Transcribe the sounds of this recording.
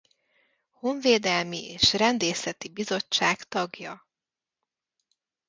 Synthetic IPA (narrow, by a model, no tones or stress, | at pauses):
ho̞ɱveːd̪ɛlmieːʃrɛnd̪eːsɛt̪ibizo̞t͡ʃːaːkt̪ɒɡjɒ